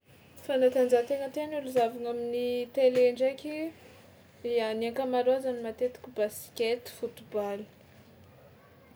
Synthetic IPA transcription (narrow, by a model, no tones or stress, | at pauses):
fanat̪and͡zat̪eŋət̪eanuluzavaŋaminit̪eleɳɖ͡ʐekʲi | ianaŋkamaɾoazanimat̪et̪i̥kʲibasi̥kʲet̪i̥fut̪ubali̥